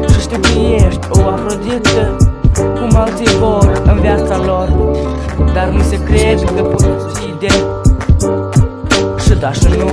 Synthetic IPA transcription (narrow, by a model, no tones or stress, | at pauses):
ʃɨʃt̪eplijeʃt̪ʲoapɾod̪it̪əkumalivoɾɨnvjat̪salor | d̪arnusekɾed̪kəpot̪sid̪e | ʃɨd̪aʃɨnu